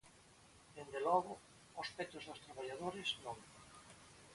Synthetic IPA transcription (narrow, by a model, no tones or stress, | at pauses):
d̪end̪elɔɣʊ | ospɛt̪ʊzðʊst̪ɾaβaʎaðoɾɪznõŋ